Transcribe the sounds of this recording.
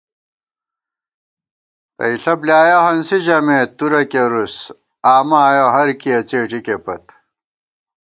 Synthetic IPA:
pɐ̰iɬɐbljaːjohɐnsiʑɐmeːt̪ːuɾɐkeɾus | aːmaːjoɦɐɾkiɐt͡ɕeːʈ͡ʂikepɐt̪

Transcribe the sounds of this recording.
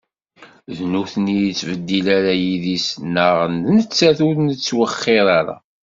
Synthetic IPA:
ðnuθnijt͡sːvəd̪ːilæɾajiðisnːəʁənnət͡sːæθuɾnət͡sːwəχːɪðˤaɾa̰

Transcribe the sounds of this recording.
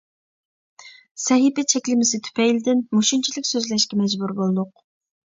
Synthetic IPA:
sɛɦipɛt͡ʃʰɛkʲlɪmɪsɪt̪ʰy̥pʰɛjlɪd̪ɪnmoʃunt͡ʃʰilɪkʲsøzlʃkʲɛmɛd͡ʒbuɾbolˠd̪ʊq̚

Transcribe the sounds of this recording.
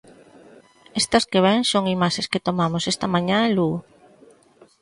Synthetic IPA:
est̪ɐskeβ̞ɛŋsoŋimaʃesket̪omamosest̪ɐmãɲãlu

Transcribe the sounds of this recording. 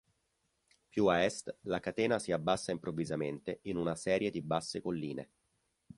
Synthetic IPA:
pjuaɛst̪lakat̪ɛːnasiabːasːaimpɾovːizament̪einunasɛːɾjed̪ibasːekolːiːnḛ

